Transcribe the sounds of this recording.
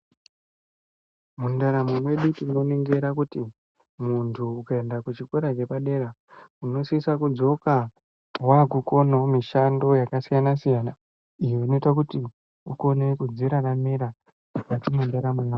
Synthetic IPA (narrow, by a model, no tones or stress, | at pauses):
mundaɾamumwe̞ɗutino̞neŋɡeɾakuti | muntʰuːkae̞ndakut͡ʃikoɾat͡ʃe̞paɗe̞ɾa | uno̞sisakud͡zo̞ka | waɡʱuko̞no̞miʃando̞jakasijanasijana | ijeino̞itak̬uti | uko̞ne̞kud͡ziɾaramiɾa | wat͡ʃimundeɾamuna